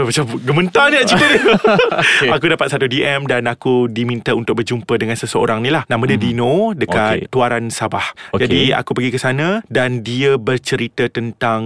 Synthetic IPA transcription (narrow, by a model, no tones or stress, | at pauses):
bat͡ʃaɡəmənt̪anĩad͡ʒikəɾi | akudapat̪̚sat̪udiʔɛmdanakudimint̪aunt̪ʊk̚bərd͡ʒumpədəŋansəsəo̰ɾaŋnĩlahnãmə̃dədinõdəkat̪ːuaɾansabahd͡ʒadia̰kupəɡikəsanãdandiəbərt͡ʃəɾit̪ət̪ənt̪aŋ